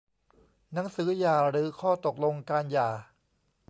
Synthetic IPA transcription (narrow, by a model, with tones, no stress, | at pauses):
na˩˦ŋsɯː˩˦jaː˨˩ɾɯː˩˦kʰɔː˥˩t̪o˨˩k̚lo˧ŋkaː˧njaː˨˩